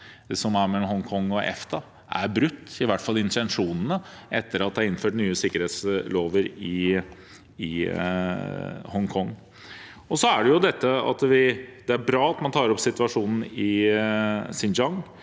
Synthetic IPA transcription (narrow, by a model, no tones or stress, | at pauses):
d̪ɛsɔmæɾmɛlːɔmhɔŋkʰɔŋːɔʔɛ̰ft̪ʰɑ | ʔæ̰ɾbɾʉt̪ːɪʋæʈfɑlːɪnt̪ɛnʂuːnənəʔɛt̪ːəɾɑt̪̚d̪ɛhɑɾɪnːføːʈnyːəsɪkːəɾheːt̪sloːʋəɾɪ | ɪ | hɔŋkʰɔŋː | ɔsɔæɖɛjʊd̪ɛt̪ːəɑ̰t̪ʋɪd̪ɛæɾbɾɑːɑt̪mɑnt̪ʰɑːɾɔpsɪt̪ʉʋɑʂuːnn̩ɪ | sɪnd͡ʒɑŋ